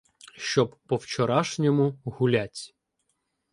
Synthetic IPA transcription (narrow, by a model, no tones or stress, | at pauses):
ʃt͡ʃɔbːɔwt͡ʃɔɾɑʃnʲɔmʊɦʊlʲatʲ